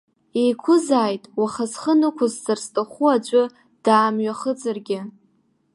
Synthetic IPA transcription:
ejkʷʰʊzaːjtʼwaχazχənɨkʷʰʊzzarstʼaχʷuad͡ʒʷʼʊ | d̥aːmɥaχəd͡zarɡʲɪ

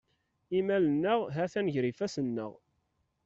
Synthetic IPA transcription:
imælənːəʁɦæθænʝɾifæsənːə̰ʁ

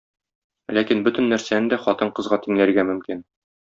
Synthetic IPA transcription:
lækinbɵt̪ɘ̆nːæɾsænɘnd̪æχɒt̪ɤɴqɤ̆zʁɑt̪iŋlæɾɡæmɵ̆mkin

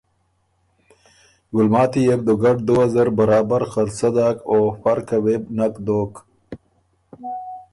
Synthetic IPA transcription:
ɡʊlmɑːt̪ijeb̚d̪uɡaʈ̚d̪uazaɾbaɾɑːbaɾxaɾsad̪aːkofaɾkawebnakd̪ok

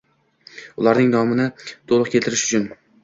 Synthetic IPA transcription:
ʊlˠaɾnɪŋnɒmɪnɪt̪ʰolˠɨqkʲelt̪ʰɪɾɪʃʊ̥t͡ʃʰʊn

